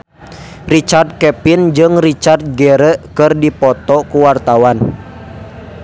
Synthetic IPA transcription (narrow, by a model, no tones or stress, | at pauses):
rit͡ʃard̪̚kɛpind͡ʒɨŋrit͡ʃart̪̚ɡeɾəkɨrdipɔt̪ɔkuwart̪awan